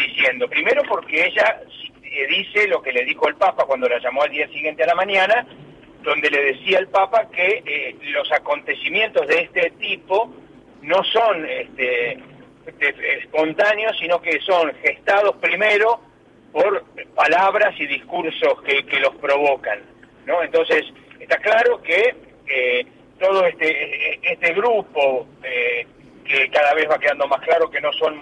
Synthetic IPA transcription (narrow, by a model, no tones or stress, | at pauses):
d̪isjend̪o̞pɾime̞ɾo̞po̞ɾkeeʒasieðiselo̞ke̞le̞ðixoelpapakwand̪o̞laʒamoald̪iasiɣje̞nt̪ealamãɲana | d̪o̞nd̪e̞le̞ðe̞siaelpapakelo̞sako̞nt̪e̞simje̞nt̪o̞zðeest̪et̪ipo̞ | no̞so̞nest̪e | t̪eespo̞nt̪anjosːino̞keso̞ŋxest̪að̞ospɾime̞ɾo | po̞ɾpalaβɾasiðiskuɾsoskekelo̞spɾoβo̞kanː | o̞ent̪õ̞nses | eht̪aklaɾo̞ke | e | t̪oð̞oest̪eeest̪eɣɾupo̞ | e | kekaðaβ̞e̞zβake̞ðand̪o̞masklaɾo̞ke̞no̞son